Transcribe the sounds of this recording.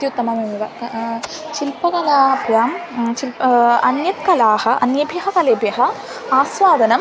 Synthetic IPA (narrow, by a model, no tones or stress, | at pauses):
t̪jut̪ːɐmɐmumiʋɐ | ʃilpɐkɐlaːɐbʱjaːmʃilɐnjɐt̪kɐlaːhɐ̆ʔɐnjɐbʱjɐɦɐkɐleːbjɐɦɐ̆ | aːsʋaːd̪ɐnɐm